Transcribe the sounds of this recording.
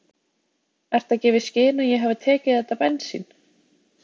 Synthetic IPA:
ɛr̥t̪acɛːvɪðscɪːnajɛɦavɪt̪ʰɛːcɪðɛht̪apɛnsḭn

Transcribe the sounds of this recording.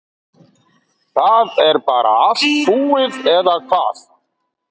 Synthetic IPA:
θaːðɛɾpaːɾa̰ast̪fuːɪðɛðakʰvaːθ

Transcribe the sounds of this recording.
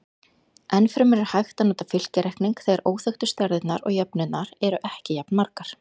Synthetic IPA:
ɛnfɾɪmɛɾɪɾ̥hajxt̪anaːt̪afɪl̥cɪɾɛjhkniŋkθeːɣaɾʔoːwθœxt̪ʏ̥st̪aɾðɪt̪naɾɔ̰ɣjœpnʏnaɾɛɾʏʔɛhcɪjap̚nmaɾkaɾ̥

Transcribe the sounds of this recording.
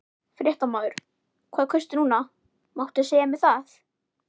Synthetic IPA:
fɾjɛht̪amaːðʏɾ̥ | kʰvaːðkʰœst̪ʏnuːna | mawht̪seːjamɛðθaθ

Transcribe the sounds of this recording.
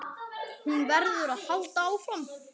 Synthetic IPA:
hunvɛɾðʏɾaðhalt̪aawfɾam

